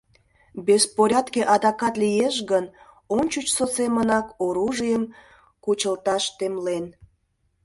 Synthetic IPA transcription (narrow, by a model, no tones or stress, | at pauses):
bespoɾʲɑt̪keʔɑd̪ɑkɑt̪lijeʃɣən | ont͡ɕut͡ɕsot͡semənɑkoɾuʒijəm | kut͡ɕəlt̪ɑʃt̪emlen